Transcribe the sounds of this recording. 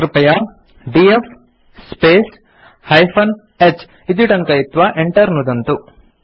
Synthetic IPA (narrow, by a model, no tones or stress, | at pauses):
ɾupɐjɐ | ɖiefʰ | speːs | hɐjpʰɐn | et͡ʃː | id̪iʈɐŋkɐjit̪ːʋɐʔeɳʈɐɾnud̪ɐnt̪u